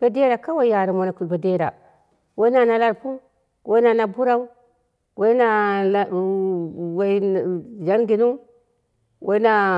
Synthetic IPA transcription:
b̥e˨˦de˦ɾa˨ka˦wa˨˦ja˨ɾa˨mo˨na˨ku˨be˨de˦ɾa̰˨ | we˦i˦na˨na˨˦la˨ɾpu˦ | we˦na˨na˨bu˦ɾa˦u˦ | we˦i˦na˨ | we˨d͡ʒa˦nɡi˨nu˦ | we˦na˨

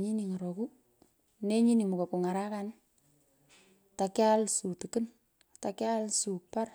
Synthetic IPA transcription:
ɲi˦ni˨ŋa˨ɾo˨ku˦ | ne˦ɲi˦ni˨mʊ˨ko˨ku˨ŋa˨ɾa˦kan | ta˨ka˦lsu˨tu˨kɪ˦n | ta˨kja˦lsu˨k̚pa˦r

